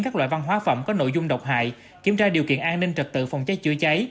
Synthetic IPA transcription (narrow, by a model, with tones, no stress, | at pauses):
ŋkaː˦˥k̚lw̰ːjva˧nɦwaː˨˦fə̰˧˩ŋ͡mkɔ˨˦no̰˧˨jzʊ˧ŋ͡mɗə˨˩wk͡p̚ɦa̰ː˧˨j | ki˧˩əmt͡ɕaː˧ɗi˨˩əwkḭ˧˨ənʔaː˧nːï˧ŋ̟t͡ɕə˨˩t̚t̪ɨ̰˧˨fa˧˩wŋ͡mt͡ɕə˦˥j̚t͡ɕɨ˧ət͡ɕa˨˦j